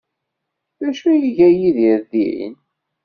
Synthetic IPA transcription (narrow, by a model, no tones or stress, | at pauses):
ðæʃujiʝæjiðəɾðiʕḭn